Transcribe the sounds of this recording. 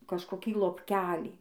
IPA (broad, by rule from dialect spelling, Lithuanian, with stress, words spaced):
kɐʃkoːˈkʲiː lˠoːpʲˈkʲæːlʲiː